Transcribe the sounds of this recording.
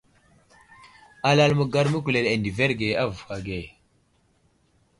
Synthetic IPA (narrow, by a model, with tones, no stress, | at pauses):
a˨la˦lmə˨ɡa˦ɾmə˦k̬u˨le˨le˨ndi˨ve˦ɾɡe˨a˦vu˨xa˨ɡe˨